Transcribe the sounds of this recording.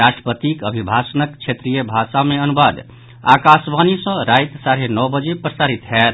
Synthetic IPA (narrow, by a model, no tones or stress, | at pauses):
ɾasʈɾəpət̪ikəbʱibʱasənəkt͡ʃʰet̪ɾijəbʱasameənubad̪ | a̰kasbanisʌ̃ɾajt̪saɾenɔwbəd͡ʒepɾəsaɾit̪ɦɛt̪